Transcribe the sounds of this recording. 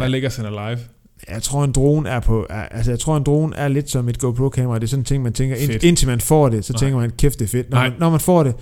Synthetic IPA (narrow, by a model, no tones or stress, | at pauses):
ʋæleɡ̥ɐsenælɑ̈ɪʋ | jäɪt͡sʰʁo̝ɐ̰e̝nd̥ʁo̝ːn̩æɐpʰɒ̽æælsəjäɪt͡sʰʁo̝ɐ̰end̥ʁo̝ːn̩ʔæɐle̝d̥sɒ̽me̝d̥̚ɡ̥opʰlokʰɛ̰ːmɐʁɑd̥e̝ɐsɒ̽n̩t͡sʰe̝ŋ̰mænt͡sʰeŋɡɐen̥e̝nt͡sʰimænfɒ̰ːd̥e̝sɒ̽eŋɡ̥ɐmænkʰefd̥efe̝d̥nɒnːɒmænfɒ̰ːɾ̥e̝